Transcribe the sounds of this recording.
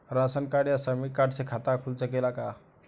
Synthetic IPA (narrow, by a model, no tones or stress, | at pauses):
ɾasənkaɽjasəmikaɖsekʰat̪akʰult͡səkelaka